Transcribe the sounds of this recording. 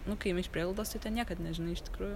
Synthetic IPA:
nʊkɐɪmʲɪʃpʲɾʲiɛlˠld̪oːst̪ɐɪt̪ʲɛnnʲiɛkɐt̪nʲɛʒʲɪnɐɪɪʃt̪ʲɪ̥kɾuːjʊ

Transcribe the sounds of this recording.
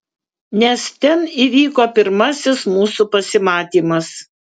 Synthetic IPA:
nʲɛst̪ʲɛniːʋʲiːkoːpʲɪɾmɐsʲɪsmuːsupɐsʲɪmɑːt̪ʲiːmɐs

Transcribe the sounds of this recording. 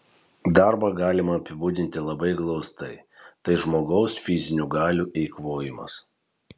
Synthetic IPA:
d̪ɑˑɾbɑɡɑːlʲɪmɐːpʲɪbuːd̪ʲɪnʲt̪ʲɪlˠɐbɐɪɡlˠɒʊst̪ɐɪt̪ɐɪʒmoːɡɐʊsfʲɪzʲɪnʲuɡɑːlʲuːʔɪɪkʋoːjɪmɐ̰s

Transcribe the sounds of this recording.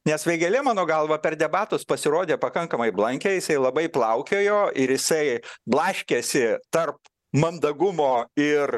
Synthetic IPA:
nʲɛsʋʲɛɪɡʲɐlʲɛmɑːnoːɡɐlˠʋɐpʲɛrd̪ʲɛbɑːt̪ʊspɐsʲɪɾoːd̪ʲeːpɐkɐŋkɐmɐɪblˠɐŋʲkʲɛjɪsɐɪlˠɐbɐɪplˠɐʊkʲeːjoːʔɪɾjɪsɐɪblˠɑːʃʲkʲeːsʲɪt̪ɐrp | mɐnd̪ɐɡʊmoːɪr

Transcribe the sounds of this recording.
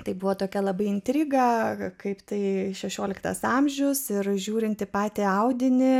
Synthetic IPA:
t̪ɐɪbʊʋoːt̪oːkʲɛlˠɐbɐɪɪnʲt̪ʲɾʲɪɡɐkɐɪpt̪ɐɪʃʲɛʃʲoːlʲɪkt̪ɐ̰sɑmʲʒʲʊsɪrʒʲuːɾʲɪnʲt̪ʲɪpɑːt̪ʲeːɐʊd̪ʲɪnʲɪ

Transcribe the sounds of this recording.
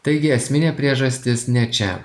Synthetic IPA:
t̪ɐɪɡʲɪɛsʲmʲɪnʲeːpʲɾʲiɛʒɐsʲt̪ʲɪsnʲɛt͡ʃʲɛ̰

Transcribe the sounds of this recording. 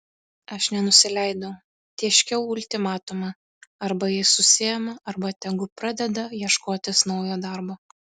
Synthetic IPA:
ɐʃnʲɛnʊsʲɪlʲɛɪd̪oʊ | t̪ʲiɛʃʲkʲɛʊʊlʲt̪ʲɪmɑːt̪ʊmɐ | ɐɾbɐjɪsʊsʲɪjɛmɐʔɐɾbɐt̪ʲɛɡʊpɾɑd̪ʲɛd̪ɐjiɛʃkoːt̪ʲɪsnɒʊjoːd̪ɐɾboː

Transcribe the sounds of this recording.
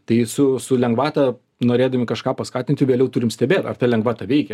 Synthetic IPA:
t̪ɐɪsʊsʊlʲɛŋɡʋɑːt̪ɐ | noːɾʲeːd̪ɐmʲɪkɐʃkɑːpɐskɑːt̪ʲɪnt̪ʲɪʋʲeːlʲɛʊt̪ʊɾʲɪmsʲt̪ʲɛbʲeːt̪ɐ̰rt̪ɐlʲɛŋɡʋɑːt̪ɐʋʲɛɪkʲɛ

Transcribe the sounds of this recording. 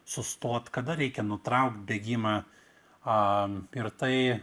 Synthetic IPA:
sʊst̪oɔt̪kɐd̪ɐɾʲɛɪkʲɛnʊt̪ɾɐʊkt̪̚bʲeɡʲiːmɑː | ɪɾt̪ɐɪ

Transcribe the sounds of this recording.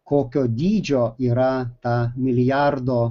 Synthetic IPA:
kokod̪id͡ʒoiɾat̪amiliaɾd̪o

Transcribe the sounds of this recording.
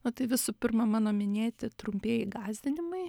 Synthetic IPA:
not̪ɐɪʋʲɪsuːpʲɪrmɐmɑːnoːmʲɪnʲeːt̪ʲɪt̪ɾʊmʲpʲeːjɪɡɑːzʲd̪ʲɪnʲɪmɐɪ

